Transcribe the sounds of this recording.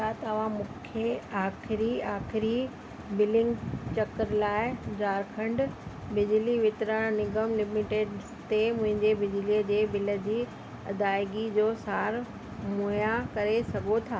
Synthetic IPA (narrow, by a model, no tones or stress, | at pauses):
at̪ɐɐʋ̤ãmũːkʰeaːxɪɾiaːxɪɾi | bɪlɪ̃ŋɡt͡ɕɐkəɾlaːɪd͡ʑaːɾkʰə̃ɳɖ | bɪd͡ʑliʋɪt̪ɾãnɪɡəmlɪmiʈeːɖ | t̪emʊ̃ɦɪ̃ɲd͡ʑebɪd͡ʑliəd͡ʑeːbɪlə̆d͡ʑiː | ɐd̪aːɪɡid͡ʑoːsaːɾ | mojakɐɾesɐɡot̪ʰaː